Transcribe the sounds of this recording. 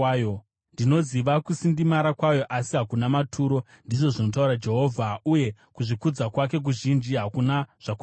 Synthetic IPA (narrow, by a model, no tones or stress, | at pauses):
jo | ndino̞ziʋakusindimaɾakwajo̞ʔasiɦakunamatʰuːɾo̞ | ndiʐo̞ʐino̞t̬auɾad͡ʒe̞ɦo̞ːvʱauje̞kuʐikud͡zakwak̬e̞k̬uʒind͡ʒiɦakunaʐ̥aku